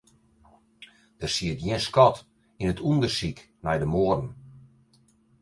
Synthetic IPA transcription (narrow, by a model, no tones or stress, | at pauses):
d̥ərsiətjɪnskɔt | inətʰundərsik | nɛjdəmoːərn̩